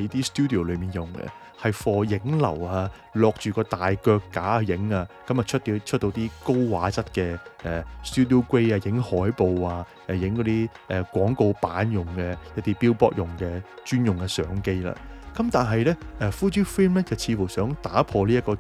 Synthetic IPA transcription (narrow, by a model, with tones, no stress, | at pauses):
ɐ˨˦jt̪iː˥st̪uː˥d̪i˨o˨˩wlɵ˨˧ɥmiː˨njʊ˨ŋɛ̰˧ | hɐ˨jfɔː˨˧jɪ˨˥ŋlɐ̰˨˩waː˧ | lɔː˧k̚t͡ʃyː˨˩kɔː˧t̪aː˨jkœː˧kːaː˨˥˧jɪ˨˥ŋaː˧kɐ˨˧mɐ˨t͡ʃʰɵ˥˧t͡ʃʰt̚t̪ːo˧wt̪iː˥ko˥wwaː˨˥t͡sɐ˥t̚kɛː˧ʔɛː˨st̪uː˥d̪i˨o˥wkwe˥jaː˧jɪ˨˥ŋhɔː˨˥jpo˨waː˧ | ʔɛ˨˧jɪ˨˧˥ŋkɔ˨˧˥t̪iː˥ | ʔɛː˨kʷɔː˨˥ŋko˧wpaː˨˥njʊ˨˩ŋkɛː˧jɐ˥t̚t̪iː˥piː˥wpɔː˥k̚jʊ˨ŋkɛː˧t͡ʃyː˥njʊ˨ŋkɛ˧sœː˨˥ŋke˥jla̰ː˧kɐ˨˦mt̪aː˨nɦɐ˨jlɛː˥ʔɛː˨˧fuː˥t̪yː˥fiː˥mlɛː˥t͡sɐ˨wt͡sʰiː˧fu˨˩wsœː˨˥ŋt̪aː˨˥pʰɔː˧liː˥jɐ˥t̚kɔː˧